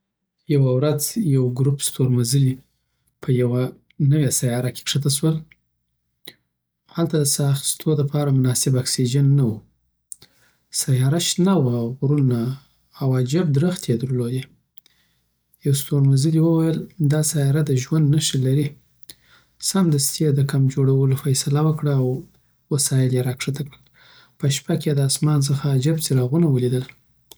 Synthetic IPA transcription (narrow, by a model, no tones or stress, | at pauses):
jawawɾad͡zjawɡɾupst̪oɾmazəli | pʰəjawa | nəwasajɑɾake̥kʂət̪aʃwəl | halt̪ad̪əsɑxst̪ʰod̪əpʰɑɾamʊnɑsɪbaksid͡ʒanːawu | sajɑɾaʃnawaɣɾunaː | wad͡ʒab̚d̪ɾəxt̪jed̪əɾloj̪e | jawst̪oɾmazəd̪iwəwajəld̪ɑsajɑɾad̪əʒwand̪naʃəlaɾi | samd̪əst̪jed̪əkamd͡ʒoɽawəlofajsalawəkɽaw | wəsɑjɪljeɾɑkʂat̪akɽəl | pəʃpaked̪əasmɑns̬əxaːd͡ʒabt͡seɾɑɣunawəlid̪əl